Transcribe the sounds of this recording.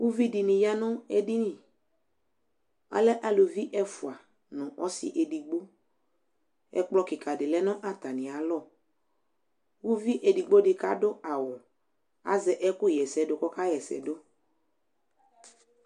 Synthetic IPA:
wu˦vi˦di˨nĩ˨ja˦nʊ̃˦ɛ˦di˦nĩ˨ | a̰˨˦lɛ˦ʔa˦lo˨vi˦ʔɛ˦fʊ˨a˨ | nɔ̃˨ʔɔ̰˦sɪ̰˦ʔe˨di˨ɡ͡bo˦ | ɛ̰˦k͡plɔ˦kɪ˨ka˨dɪ˨lɛ˦nɔ̃˦ʔa˦t̪a˨nɪ̃˨a˨lɔ˦˨ | wu˦vi˦ʔe˨di˨ɡ͡bo˦dɪ˨ka˦dʊ˦a˨wɔ˨ | a̰˨zɛ˨ʔɛ˦kʊ˦jɛ˨sɛ˨dʊ˨kɔ˦ka˦jɛ˨sɛ̰˨do˦

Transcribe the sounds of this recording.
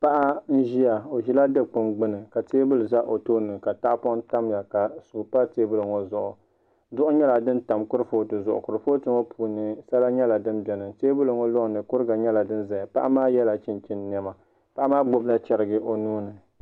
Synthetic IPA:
pa˦ʔa˦n̩˦ʒi˦a˨o˨ʒi˦la˦dɨ˦k͡pɨ˦mɡ͡bɨ˦nɨ˨ka˨teː˦bʊ˦lɨ˨za˦ʔo˨to˦nɨ˨ka˨ta˦ʔpɔ˦ta˦mja˨ka˨su˨pa˦teː˦bʊ˦lɨ˨ŋo˨zʊ˨ʔʊ˨ | zʊ˦ʔʊ˦ɲɛ˦la˨dɨ˦n˦ta˨mkʊ˦ɾɨ˦fo˦tɨ˨zʊ˨ʔʊ̰˨kʊ˨ɾɨ˨fo˦tɨ˦ŋo˦pʰuː˨nɨ˨sa˦la˦ɲɛ˦la˨dɨ˦mbɛ˨nɨ˨teː˦bʊ˦lɨ˨ŋɔ˦lɔ˦˨nɨ˨kʊ˦ɾɨ˦ɡa˨ɲɛ˦la˨dɨ˦n˦za˨ɪ˨pa̰˦ʔa˦maː˦jɛ˦la˨t͡ʃɪ˦nt͡ʃɪ˦nː˨ɛ˦ma˨ | pa˦ʔa˦maː˦ɡ͡bo˦bla˦t͡ʃɛ˨ɾɨ˦ɡɨ˦ʔo˨nuː˦nɨ˨

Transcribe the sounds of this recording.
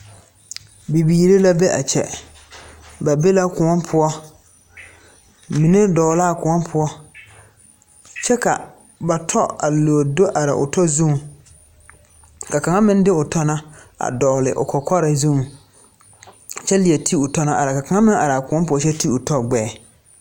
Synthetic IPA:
bi˨biː˨ɾe˦la˦be˦ʔa̰˨t͡ʃɛ̰˨ | ba˨be˦la˦kʊ˨ŋɔ˦npʰʊ˦ɔ˦ | mi˨ne˦dɔː˨laː˦˨kʊ˨ŋɔ˦npʰʊ˦ɔ˦ | t͡ʃɛ˦ka˨ | ba˨tʰɔ˦a˨loː˨do˦ʔa˨ɾɪ̰˨ʔʊ̰˨tʰɔ˦zũ˦ŋ˨ | ka˨ka˨ŋa˦mɪ̃˦n˦dɪ˦ʊ˨tʰɔ˦na˦a̰˨dɔː˨lɪ̰˨ʔʊ̰˨kʰɔ˨kʰɔ˦ɾa˨zũ˦ŋ˨ | t͡ʃɛ˦lɪ˨ɛ˨tʰi˦ʊ˨tɔ˦na˨ʔa˨ɾa˨ka˨ka˨ŋa˦mɪ̃˦ŋa˨ɾa˨kʊ̃˨ɔ˦pʊ˦ɔ˦t͡ʃɛ˦ti˦ʊ˨tɔ˦ɡ͡bɛː˦˨

